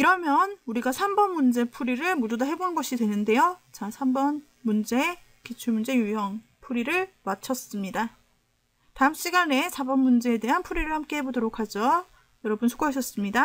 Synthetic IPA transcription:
iɾʌmjʌnuɾiɡasʰambʌnmund͡ʑe̞pʰuɾiɾɯɭmududaɦe̞bonɯnɡʌɕʰidwe̞nɯnde̞jot͡ɕasʰambʌn | mund͡ʑe̞ | kit͡ɕʰumund͡ʑe̞jujʌŋ | pʰuɾiɾɯɭmat͡ɕʰʌs͈ɯmɲida | taɯmɕ͈iɡane̞sʰabʌnmund͡ʑe̞ːde̞ɦanpʰuɾiɾɯɭhamk͈e̞ɦe̞bodoɾokʰad͡ʑʌ | jʌɾʌbunsʰo̥k͈oɦaɕʰʌs͈ɯmɲida

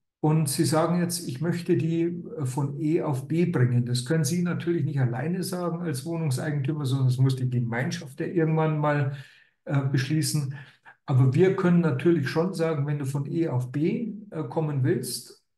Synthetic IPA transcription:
ʔʊntz̥iːzaːɡŋ̩jɛt͡stɪçmœçtədiːfɔnʔeːaʊfb̥eːbʁɪŋəndaskʰœnənziːnatʰyːɐlɪçnɪçtala̰ɪnəzaːɡŋ̩alsv̥oːnʊŋsʔa̰ɪɡŋ̩tʰyːmɐzɔndɐnasmʊsd̥iːɡəmaɪnʃaftjaːʔɪɐɡŋ̩tv̥anmaːl | ʔɛːbəʃliːsn̩ʔaːbɐviːɐkʰœnənːatʰyːɐlɪçʃonzaːɡŋ̩vɛnduːfɔnʔeːaʊfb̥eːʔkʰɔmənvɪlst

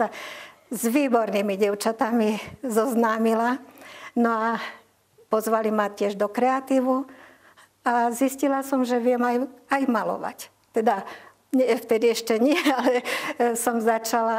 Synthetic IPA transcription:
a | zʋiːbɔɾnimiɟɛʊt͡ʃat̪amizɔznaːmilanɔa | pɔzʋalimat̪ɪɛʒd̪ɔkɾɛat̪iːʋu | aziscilasɔmʒɛʋɪɛmajajmalɔ̰ʋa̰c | t̪ɛd̪a | ɲɛft̪ɛd̪iɛʃcɛɲɪɛalɛsɔmzat͡ʃala

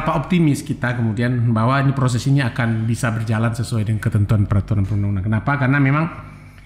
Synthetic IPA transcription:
paop̚t̪imɪskit̪akəmudianbaɦwaɲipɾos̬ɛsiɲaakanbisabərd͡ʒalansəsuajdəŋkət̪ənt̪uanpəɾat̪uɾanpəɾunaunankənapakarnamemaŋ

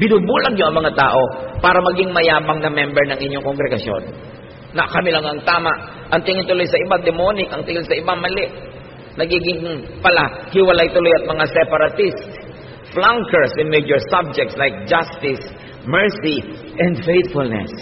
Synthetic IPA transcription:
bɪnuːbuːlɐɡ̚ɲoʔɐŋmɐŋat̪a̰ːʔo̞paːɾɐmɐɡiŋmɐjaːbɐŋnɐmɛmbɛɹnɐŋʔɪɲːoŋkoŋɡɾɛɡɐsjo̰nː | ɐʔkɐmilɐŋɐŋt̪aːmaʔ | ʔɐŋt̪ɪŋɪnt̪ʊlojsɐʔɪbad̪ɛmonɪkɐŋt̪ɪŋɪlsɐʔɪbaŋmɐlɛʔ | nɐɡiːɡɪŋpɐlahɪwɐlajt̪ʊlo̞jɐt̪̚mɐŋasɛpɐɾɐt̪ist̪ | flaŋkɛɹsɪnmejd͡ʒoɹsab̚d͡ʒɛk̚t̪slajk̚d͡ʒast̪ɪs | mɛɹsi | ʔɛ̃nd̪fejt̪fʊlnɛ̰s

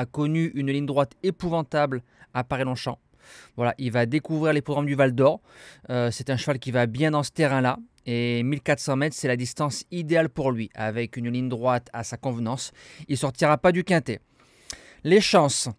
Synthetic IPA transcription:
akɔnyʔynliɲd̪ʁwat̪epuvɑ̃t̪abl | apaʁilɔ̃ʃɑ̃ | vwala̰ʔilvad̪ekuvʁiʁlepχɔɡʁamd̪yvald̪ɔʁøsɛt̪ɛ̃ʃəvalkʲivabjɛ̃d̪ɑ̃sə̥t̪eʁɛ̃la | emilkat̪χsɑ̃mɛt̪χsɛlad̪ist̪ɑ̃sid̪ealpuʁlɥiʔa̰vɛkʲynliɲd̪ʁwat̪asakɔ̃vnɑ̃silsɔʁt̪iʁapad̪ykʲɛ̃t̪e | leʃɑ̃s

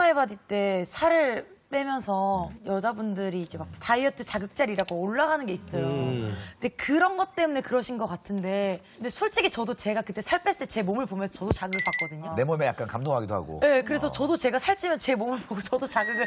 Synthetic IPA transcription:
ɦebadit͈e̞sʰaɾɯɭ | p͈e̞mjʌnsʰʌjʌd͡ʑabundɯɾiːd͡ʑe̞makktaiʌt͈ʰɯt͡ɕaɡɯk̚t͡ɕ͈aɾiɾaɡooɭːaɡanɯnɡeis͈ʌjokɯnde̞kɯɾʌnɡʌt̚t͈e̞mune̞kɯɾʌɕʰinɡʌk͈atʰɯnde̞kɯnde̞sʰoɭt͡ɕ͈iɡit͡ɕʌdot͡ɕe̞ɡakɯt͈e̞sʰaɭpʰesɯ̥tʰet͡ɕe̞momɯɭpomjʌnsʰʌt͡ɕʌdot͡ɕaɡɯɡɯɭpak͈ʌdɯɲone̞momeja̰k͈ankamdoŋɦaɡidoɦa̰ɡo̰je̞kɯɾe̞sʰʌt͡ɕʌdot͡ɕe̞ɡasʰaɭt͡ɕ͈ʰimjʌnt͡ɕe̞momɯɭboɡot͡ɕʌdot͡ɕaɡɯɡɯɭ

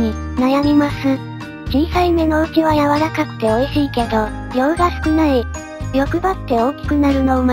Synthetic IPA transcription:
ɲinajamʲimasɨ̃ | d͡ʑĩɰ̃saime̞no̞ɯ̟kʲiβajaβaɾakakɯ̟̥t̪e̞oiɕiːke̞d̪o̞ | ɾʲo̞ɯ̟ɡasɨ̥kɯ̟nai | ɾʲjo̞kɯ̟bat̪ːe̞o̞ːkʲi̥kɯ̟naɾɯ̟no̞ma

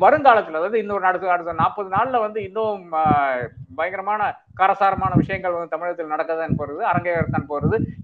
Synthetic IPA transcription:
ʋɐɾɯŋɡaːɭɐt̪ːɪlɐðaːʋɐðɯɪnd̪ɔɾɯnɐɽɐt̪ːɯnɐɽɯt̪ːɐnaːpːɐðɯnaːɭlɐʋɐnd̪ɯɪnːoː | bɐjɐŋɡɪɾɐmaːnɐ | kɐɾɐsaːɾɐmaːnɐʋɪʂɐjɐŋɡɐɭʋɐnd̪ɯt̪ɐmɪɻɐt̪ːɪlnɐɽɐkːɐðaːnːɯpoːɾɐðɯɐɾɐŋɡɐjɐɾɐt̪ːaːnpoːɾɐðɯ

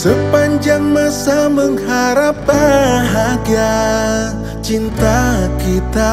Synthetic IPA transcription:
səpaɲd͡ʒaŋmasaməŋɦaɾap̚aɦaɡa | t͡ʃint̪akit̪a

